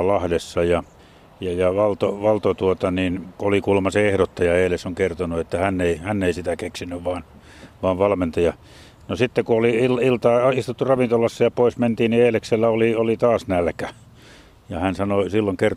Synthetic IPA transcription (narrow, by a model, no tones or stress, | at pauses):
lɑhdesːɑjɑ | jɑjɑʋɑlt̪oʋɑlt̪ot̪uot̪ɑninkuolikulmɑseehɾot̪ːɑjɑeːlesoŋkert̪onuet̪ːæhænːeihænːeisit̪ækeksinːyʋʋɑːn | ʋɑːʋʋɑlment̪ɑjɑ | nosit̪ːekuoliililt̪ɑːist̪ut̪ːurɑʋint̪olɑsːɑjɑpoisment̪iːnnieːlekselːæoliolit̪ɑːsnælkæ | jɑhænsɑnosilːoŋker